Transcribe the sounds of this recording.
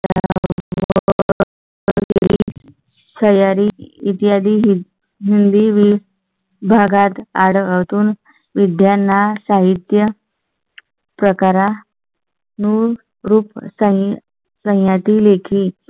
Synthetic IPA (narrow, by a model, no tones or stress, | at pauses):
ɦɾḭ | səjaɾiːt̪ijad̪iː | ɦind̪iʋi | bʱaɡat̪aɽət̪uːn | ʋid̪janːasaɦit̪jə | pɾəkaɾa | nu | ɾuːpsə̃ | sə̃ɦjat̪iːlekʰiː